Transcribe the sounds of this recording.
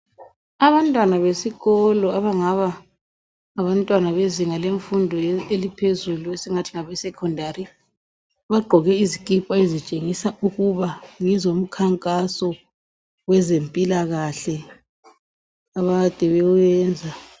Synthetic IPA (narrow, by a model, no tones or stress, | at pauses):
aβantʼwanaβesiɣɔlɔaβaŋaβaː | βantʼwanaβeziŋaleɱfundʱɔelipʰezuluesɛŋatʰiŋaβɛsɛkʰɔndʱaɾi | βaɡ͡ǃʱɔɣɛizikʼipʼaezit͡ʃʼeŋisaʔuɣuβaŋɛzom̩kʰaŋkʼasɔ | wɛzempʼilaɣaɬɛ | aβad̥ʼʱɛβɛujɛːnd͡zʱa